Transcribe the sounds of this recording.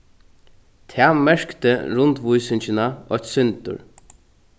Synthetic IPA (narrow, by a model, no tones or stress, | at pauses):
t̪ʰæːmɛɹ̥kt̪ə̰ɹʊnt̪ʋʊjsɪnt͡ʃɪnaɔçt̪sʏnt̪ʊ̰ɹ